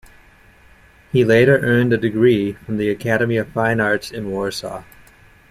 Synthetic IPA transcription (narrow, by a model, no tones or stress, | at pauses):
hileɪɾə˞ʔɜ̃˞ndɨdɨɡɹifɹʌ̃mðiɨkʰæɾɨmiʌv̥fãɪ̃nɑɹtsɨ̃nwɔɹsɑ̰